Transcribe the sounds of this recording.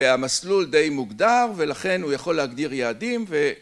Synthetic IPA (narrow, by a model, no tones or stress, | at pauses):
amasluld̪e̞jmuɡd̪aʁve̞laχe̞nhujaχo̞lːeaɡd̪iʁjaːd̪imve